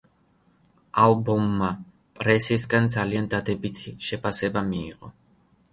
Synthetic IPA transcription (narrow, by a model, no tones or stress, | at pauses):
albɔmːa | pʼɾɛsisɡand̪zaliand̪ad̪ɛbit̪ʰiʃɛpʰasɛbamḭːʁɔ